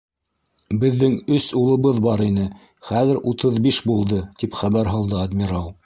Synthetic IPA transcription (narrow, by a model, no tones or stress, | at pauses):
bɘ̆ðːɘŋɵsulˠɤ̆βɤðbɑɾinɘ | χæðɘɾʔut̪ɤðbiʃbulˠd̪ɤt̪ipχæβæɾɦɤlˠd̪ɤad̪mʲiɾɑw̪ˠ